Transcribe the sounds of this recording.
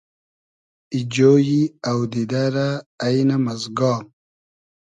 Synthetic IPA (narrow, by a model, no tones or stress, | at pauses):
id͡ʑoːjiawd̪id̪aɾaːjnamɐzɡɑːm